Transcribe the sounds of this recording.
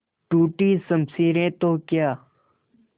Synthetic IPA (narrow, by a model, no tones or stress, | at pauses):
ʈuːʈiːsəmsiːɾẽːt̪oːkjaː